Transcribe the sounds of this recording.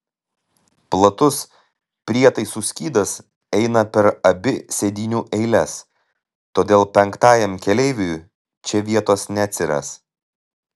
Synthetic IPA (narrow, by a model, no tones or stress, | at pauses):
plˠɐt̪ʊs | pʲɾʲiɛt̪ɐɪsusʲkʲiːd̪ɐs | ɛɪnɐpʲɛɾɐbʲɪsʲɛd̪ʲiːnʲuːʔɛɪlʲɛs | t̪oːd̪ʲeːlˠpʲɛŋˑkt̪ɑːjɛmkʲɛlʲɛɪʋʲuj | t͡ʃʲɛʋʲiɛt̪oːsnʲɛt̪ʲsʲɪɾɐ̰s